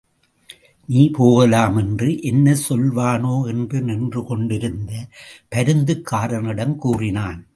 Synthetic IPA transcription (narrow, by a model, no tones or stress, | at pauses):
niːpoːɣɐlaːmɛndrɯʔɛnːɐsɔlʋaːnoːɛnbɯnɪndrɯkɔɳɖɪɾɯnd̪ɐpɐɾɯnd̪ɯkːaːɾɐnɪɽɐmkuːrɪnaːn